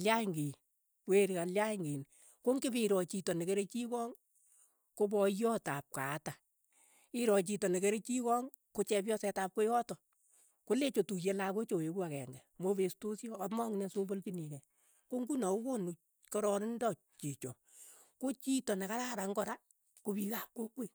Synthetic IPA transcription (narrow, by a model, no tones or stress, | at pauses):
aljaŋɡi | kweɾkaljaŋɡin | koŋɡɪbiɾɔt͡ʃitɔnekeɾet͡ʃikɔŋ | kob̬ɔjɔtap̚kata | ɪɾɔt͡ʃitɔnekeɾet͡ʃikɔŋ | kot͡ʃɛp̬jɔsɛtap̚kojɔtɔ | kolet͡ʃotujelakot͡ʃoekuakɛŋɡɛmobestosjɔamɔŋinɛsuboltininɛ | koŋɡunaukonu | kɔɾɔnɪndɔ | t͡ʃit͡ʃɔ | kot͡ʃitɔnekaɾaɾaŋkɔɾa | kobikap̚kokwe